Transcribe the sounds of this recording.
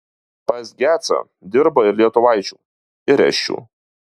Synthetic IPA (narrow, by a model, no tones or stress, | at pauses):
pɐsɡʲæːt̪sɐ̰ | d̪ʲɪɾbɐɪɾʲlʲiɛt̪ʊʋɐˑɪt͡ʃʲṵː | ɪɾʲɛ̰ʃʲt͡ʃʲṵː